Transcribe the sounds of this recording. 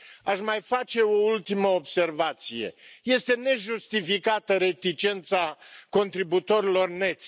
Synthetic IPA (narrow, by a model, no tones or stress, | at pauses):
aʃmajfat͡ʃe̞o̞ult̪iməobse̞rvat̪sije̞̰je̞st̪e̞ne̞ʒust̪ifikat̪əɾe̞t̪it͡ʃe̞nt̪sako̞nt̪ɾibut̪o̞ɾilo̞rne̞t̪sʲ